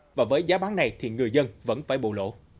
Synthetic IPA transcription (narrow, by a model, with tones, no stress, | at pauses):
vaː˨˩vəː˨˦jzaː˨˦ɓaː˨˦na˨˩jt̪ʰi˨˩ŋɨ˨˩əjzə˧nvə̰˧˥nfaː˧˩jɓo̰˧˨lo̰˧˥